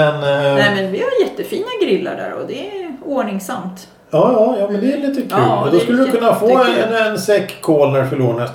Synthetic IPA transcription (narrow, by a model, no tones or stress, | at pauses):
ɛnnɛmɛnvɪhaɾjɛt̪ːəfiːnaɡɾɪlːa̰ɖæ̰ːɾɔ̰d̪ɛoːɳɪŋsamt̪ | ɑːjɑːjɑːmɛnd̪ɛæliːt̪əkʰʉ̰ːɔd̪ɔsskɵləd̪ɵkʰɵnːafoːɛɛnɛnsɛkʰːoːlnæɾfœɭuːɳas